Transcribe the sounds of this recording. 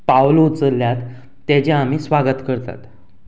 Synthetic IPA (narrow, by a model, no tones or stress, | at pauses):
pawlut͡səlːjat̪ː | jat͡ɕeam̤iːsʋaɡət̪kəɾt̪a̰t̪